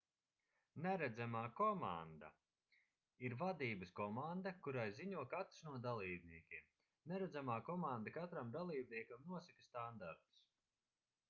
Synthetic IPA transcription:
nɛɾɛd̪zamaːkɔma̰nd̪a̰ | iɾvad̪iːbɨskɔmand̪akuɾajziɲuɔkat̪ɾsnuɔd̪alˠiːbniɛkʲiɛm | nɛɾɛd̪zamaːkɔmand̪akat̪ɾamd̪alˠiːb̚niɛkamnuɔsakɐst̪and̪aɾt̪u̥s

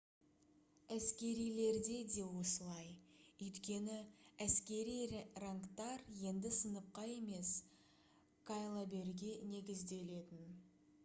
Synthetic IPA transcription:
æskʲe̞ɾijle̞ɾd̪e̞d̪e̞wo̞səlˠɑjʏjt̪kʲe̞nɪæskʲe̞ɾijraŋkt̪ɑɾje̞nd̪ɪsənəp̚qɑje̞me̞s | kʰajlˠabe̞ɾɡʲene̞ɡʲɪzd̪e̞le̞t̪ɪn

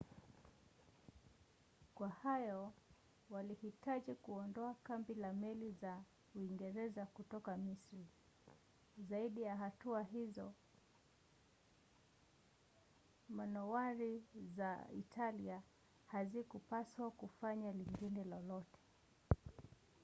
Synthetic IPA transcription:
kwahajɔ | walihitaʄikuɔndɔakambilamɛliza | uiŋɡɛɾɛzakutɔkamisɾi | zaiɗijaɦatuaɦizɔ | manɔwaɾizaḭtʰalia | hazikupaswakufaɲaliŋɡinɛlɔlɔtɛ̥

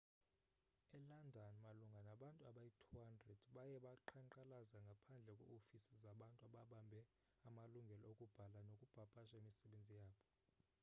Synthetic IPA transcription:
ɛlandʱɔnmaluŋɡʱanaɓantʼuaɓajitʰuɦandrɛd̥ɓajɛɓaǃʰaǃalazaŋɡʱapʰand͡ɮʱɛkʼɛ̰ofisizaɓantʼuaɓaɓambʱɛ | amaluŋɡʱɛlɔokʼub̥ʱalanokʼub̥ʱapʼaʃaemisɛɓend͡zʱijaːɓɔ

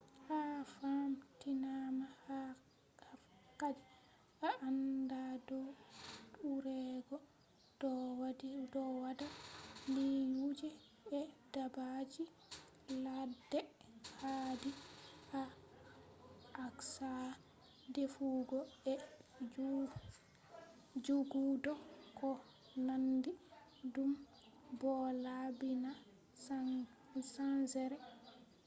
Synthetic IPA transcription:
hafamtinamaha | afkad͡ʒɛ | ʔaʔandadɔɗuɾɛɡɔ | dɔwaddɔwadalijud͡ʒɛ | ɛdabad͡ʒi | ladːɛhadiha | ksa | defuɡɔɛ | d͡ʒuɡudɔkɔ | nandi | dum | bɔlabina | sansɛɾɛ

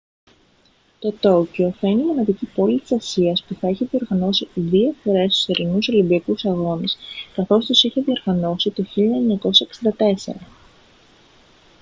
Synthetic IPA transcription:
t̪o̞t̪o̞ceo̞θɐineimo̞nɐðicipo̞lit̪i̥sɐsiɐspuθɐeçeðio̞ɾɣɐno̞siðiofo̞ɾe̞st̪u̥seɾinuso̞limbiɐkusɐɣo̞niskɐθo̞st̪usiçeðio̞ɾɣɐno̞sit̪o̞çiʎoɐeɲɐko̞sɐeksind̪ɐt̪e̞se̞̰ɾɐ

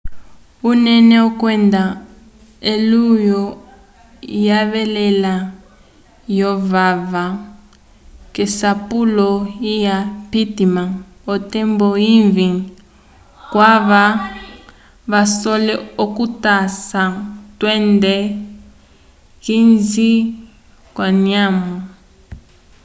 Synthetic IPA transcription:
unɛnɛɔkwɛnda | elujɔ | jaβɛlɛla | jɔvava | kɛsapulɔijapitima | ɔtɛmbɔiɱviŋ | kwaβa | βasɔlɛokutasatwɛndɛ | kinzi | kwaniamɔ

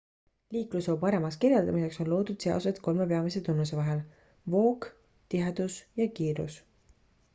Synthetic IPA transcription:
liːkluso̞ːpɑɾe̞mɑskirjɑld̪ɑmise̞kso̞nlo̞ːd̪̥ud̪̥se̞o̰sed̪ko̞lme̞pe̞ɑmise̞t̪unːus̬e̞vɑɦe̞l | vo̞ːk | t̪iɦɑd̪̥usjɑkiːɾṵs

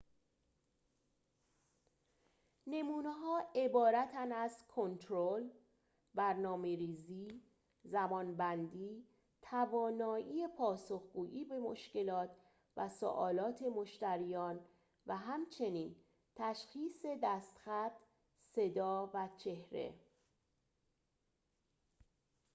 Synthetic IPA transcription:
ne̞muːneɦɒːe̞bɒːɾæt̪ʰænæzkʰo̞nt̪ʰɾol | bæɾnɒːmeɾiːziː | zæmɒːnbænd̪iː | t̪ʰævɒːnɒːʔiːepʰɒːsoxɡuːʔiːbe̞mo̰ʃce̞lɒːt̪ʰ | væso̰ʔɒ̰ːlɒːt̪ʰe̞mo̞ʃt̪æɾijɒːn | væɦæmt͡ʃʰe̞niːn | t̪ʰæʃxiːse̞d̪æst̪xæt̪ | se̞d̪ɒːvæt͡ʃʰe̞hɾe̞̰

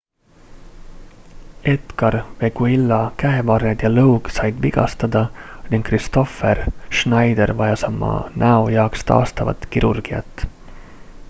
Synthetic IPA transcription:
e̞t̪kɑɾve̞ɡuilːɑkæevɑred̪̥jɑlɤwɡsɑjd̪viɡ̥ɑ̰st̪ɑd̪ɑniŋɡ̥kːrist̪o̞ferʃnɑjd̪eɾvɑjɑsɑmːɑ̰nʔæojɑːkst̪ɑ̰ːst̪ɑvɑ̰t̪ˑkiɾʔurɡ̥iɑ̰t̪ːˑ

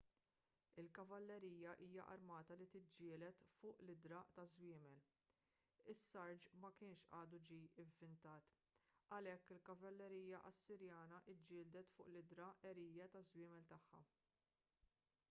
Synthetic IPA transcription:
ɪlkɐvɐlːɛɾiːjɐʔiːjɐʔɐ̰ɾmɐːt̪ɐlit̪ɪd͡ʒːɪːlɛt̪fʊːʔlɪd̪ɾɐːʔt̪ɐzwɪːmɛl | ɪsːɐɾd͡ʒmɐkɪːnʃʔɐːd̪ud͡ʒiːɪvːɪnt̪ɐːt̪ | ɐlɛkːɪlkɐvɐlːɛɾiːjɐʔɐsːɪɾjɐːnɐʔɪd͡ʒːɪːld̪ɛt̪fʊːʔlɪd̪ɾɐʔɛɾiːjɐt̪ɐzwɪːmɛlt̪ɐħːɐ̰

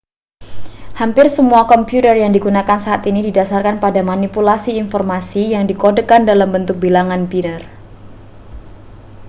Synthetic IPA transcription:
hampɪrsəmuakɔmpiut̪ərjaŋdiɡunakansaɦat̪inididasarkanpadamanipulasiːnfɔrmasijaŋdikodəkandalambənt̪ʊk̚bilaŋanbinər

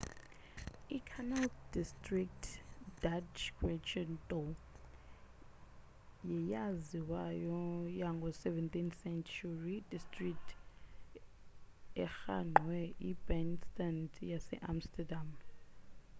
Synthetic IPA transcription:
ikʰanaldistʼrik̚tʰdat͡ʃɡʰwɛt͡ʃɔntʼɔ | jɛjaziwajɔjaŋɡʱɔsɛvɛntinsɛnt͡ʃʰurid̥istʼriktʰ | ɛxa̰ŋ͡ǃʱwɛibɛnstandjasɛ̰ʔamstʰɛdam

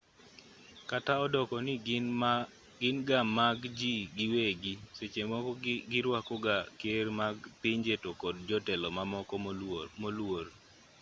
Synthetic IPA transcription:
kataɔdɔkɔnɪ | ɡɪnɡamaɡd͡ʒiɡɪweɡiset͡ʃemɔɡɪɾwakɔɡakeɾmaɡpiɲd͡ʒetokɔd̚d͡ʒɔtɛlɔmaɔkmolwor

